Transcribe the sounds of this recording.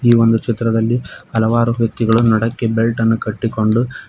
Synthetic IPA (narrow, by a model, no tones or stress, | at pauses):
iːʋo̞nd̪ut͡ʃit̪ɾɐd̪ɐlːiɐlɐʋaːɾuʋjɐk̚t̪iɡɐɭunɐɽɐkːe̞belʈɐnːukɐʈːiko̞ɳɖu